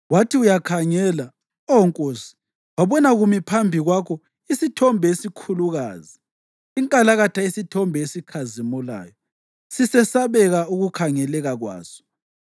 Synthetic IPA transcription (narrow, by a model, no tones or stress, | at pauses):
watʰiujakʰaŋɛːla | ɔŋkʼoːsi̥ | waβɔnaɣumipʰambʱiɣwakʰɔ | isitʰɔmbʱesikʰuluɣa̰ːziː | ŋkʼalaɣatʰaisitʰɔmbʱɛesikʰazimula̰ːjɔ | sisɛsaβɛɣauɣukʰaŋɛlɛɣaɣwa̰ːsɔ̥